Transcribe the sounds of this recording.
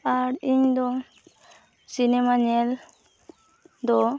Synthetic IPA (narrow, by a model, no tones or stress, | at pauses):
aɾiɲd̪ɔ | sinemaɲel | d̪ɔ